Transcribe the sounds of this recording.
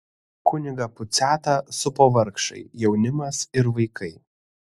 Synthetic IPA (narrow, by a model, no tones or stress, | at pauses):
kʊnʲɪɡɐpʊt̪sʲæːt̪ɑsʊpoːʋɐɾkʃɐ̰ɪjɛʊnʲɪmɐsɪɾʋɐɪkʰɐɪ